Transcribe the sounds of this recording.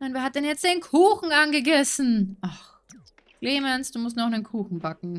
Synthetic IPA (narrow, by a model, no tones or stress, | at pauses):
naʊnveːɐhat̚d̥ɛnjɛt͡std̥eːnkʰuːxŋ̩ʔanɡəɡɛsn̩ʔax | kleːmɛnsd̥uːmʊstnɔχnənkʰuːxn̩bakŋ̩